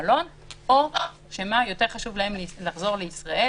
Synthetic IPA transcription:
lo̞n | o | ʃemajo̞te̞ʁχaʃuvlahemlaχzo̞ʁleisʁaʔe

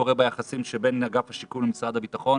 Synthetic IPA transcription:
oʁebajaχasimʃebe̞naɡafhaʃikuvlemisʁad̪habitaχo̞n

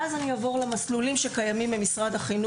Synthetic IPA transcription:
azaniavoʁlemaslulimʃekajamimbemisʁadaχinu

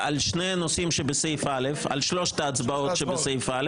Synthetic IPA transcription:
ʔalʃneanosimʃebesejfalefa̰lʃloʃt̪aːt͡sbaotʃebesejfʔale

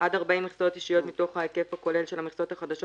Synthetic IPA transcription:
ʔad̪aʁbaimiχso̞t̪iʃijo̞t̪mito̞χhaeke̞fako̞le̞lʃe̞lamiχsot̪haχad̪aʃ

